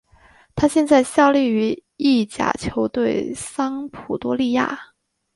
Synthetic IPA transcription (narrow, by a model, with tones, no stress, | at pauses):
t̪ʰa˥ɕjɛ˥˧nt͡sa˥˧ɪɕjɑ˥˧ʊli˥˩y˧˥i˥˩t͡ɕja̰˨˩t͡ɕʰjo˧˥ʊt̪we˥˩ɪsɑ˥ŋpʰu˨˩t̪wɔ˥li˥˧ja̰˥˩